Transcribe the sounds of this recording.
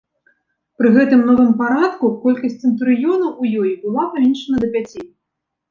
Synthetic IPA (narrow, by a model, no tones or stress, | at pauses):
pɾɨɣɛt̪ɨmnɔvɨmpaɾat̪kukɔlʲkɐsʲtʲt͡sʲt͡sʲɨnt̪ɾɨjɔnɐwujɔjibɨlˠapavʲɛnʂɐnɐd̪ɐpʲat͡sʲij